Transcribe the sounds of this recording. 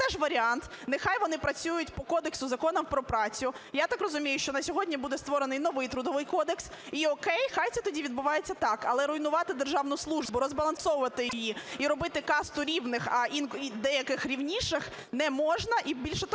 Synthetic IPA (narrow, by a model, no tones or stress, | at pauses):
ɛʒʋɐɾʲiɑnt̪ | nɪxɑjʋɔnɪpɾɐt͡sʲujʊtʲpɔkɔd̪eksʊzɐkɔnɔmpɾɔpɾɑt͡sʲʊjat̪ɑkrɔzʊmʲijʊʃt͡ʃɔnɐsʲɔɦɔdʲnʲibud̪ɛst̪ʋɔɾenɪjnɔʋɪjt̪ɾʊd̪ɔʋɪjkɔd̪eks | iɔkɛjxɑjt̪sɛt̪ɔdʲiʋʲid̪bʊʋɑjet͡sʲːɐt̪ɑkɐlˠɛɾʊjnʊʋɑt̪ɪd̪erʒɑʋnʊslˠuʒbʊɾɔzbɐlˠɐnsɔʋʊʋɐt̪ɪjijiiɾɔbɪt̪ɪkɑst̪ʊɾʲiwnɪxɐinkid̪ɛjɐkɪxɾʲiwnʲiʃɪx | nɛmɔʒnɐʔibʲilʲʃɛt̪